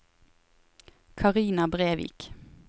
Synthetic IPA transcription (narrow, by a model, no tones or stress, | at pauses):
kʰɑʁiːnɑbʁeːʋḭːk